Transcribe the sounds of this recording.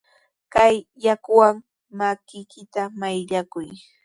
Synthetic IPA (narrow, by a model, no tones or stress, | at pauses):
kajːakʊwaŋ | makɪjkɪt̪amajʎakʊj